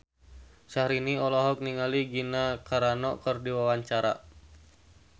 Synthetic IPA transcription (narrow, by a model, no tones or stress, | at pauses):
ʃahɾiniɔlɔɦɔk̚niŋaliɡinakaɾanɔkərdiwawaɲt͡ʃaɾa̰